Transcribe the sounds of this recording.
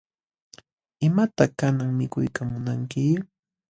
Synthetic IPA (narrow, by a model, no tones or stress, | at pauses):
ɪmat̪akanaŋmɪkʊjkamʊnaŋkɪ